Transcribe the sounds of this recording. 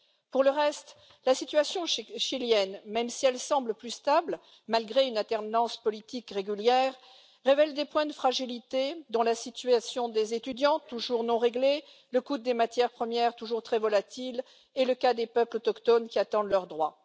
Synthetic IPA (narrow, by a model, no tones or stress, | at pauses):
puʁləʁɛst̪ | lasit̪ɥasjɔ̃ʃiljɛnmɛmsiɛlsɑ̃bləplyst̪abl | malɡʁeynalt̪ɛʁnɑ̃spɔlit̪ikʁeɡʲyljɛʁː | evɛld̪epwɛ̃d̪əfχaʒilit̪ed̪ɔ̃lasit̪ɥasjɔ̃d̪ezet̪yd̪jɑ̃t̪uʒuʁnɔ̃ʁeɡle | ləkud̪ːemat̪jɛʁpχəmjɛʁt̪uʒuʁt̪χɛvɔlat̪il | ɛləkad̪epœplɔt̪ɔkt̪ɔnkʲiat̪ɑ̃d̪lœʁd̪ʁwa